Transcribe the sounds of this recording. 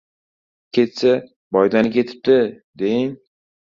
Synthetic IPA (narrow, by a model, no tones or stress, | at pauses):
kʲʰet̪sa | bɒjd̪anɪkʲe̞t̪ʰɪ̥p̚t̪ɪ | d̪ejɪŋ